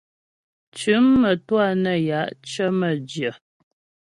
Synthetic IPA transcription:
t͡ʃʉ˨˦mːə˨twa˦˨nə˨ja˨˦ʔt͡ʃə˦mə˨d͡ʒjə˨

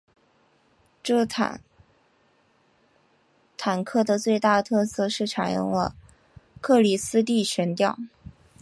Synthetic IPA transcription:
ʈ͡ʂɤ˥˩a̰˨˩ | t̪ʰa˨˩nkʰɤ˥˩d̪ə˩t͡swe˥˧ɪt̪a˥˩t̪ʰɤ˥˧sɤ˥˧ʂɻ̩˥˩ʈ͡ʂʰa˨˩njʊ̰˥˧ŋlə̰˧ | kʰɤ˥˩li˨˩sɹ̩˥t̪̬i˥˩ɕɥɛ˧˥nt̪jɑ˥˩ʊ

